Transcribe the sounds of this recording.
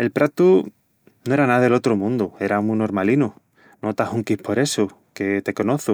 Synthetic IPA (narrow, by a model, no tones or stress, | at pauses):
e̞lpɾat̪u | noe̞ɾanaðelo̞t̪ɾomũnd̪ue̞ɾamuno̞ɾmalinu | not̪ahuŋkihpʰo̞ɾe̞so | ket̪e̞ko̞noθu